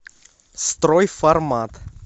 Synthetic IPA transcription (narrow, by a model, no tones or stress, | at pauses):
st̪ɾɔjfaɾmat̪